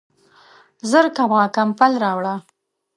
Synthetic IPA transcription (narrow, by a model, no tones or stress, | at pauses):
zəɾkabɑkampalɾɑwɽa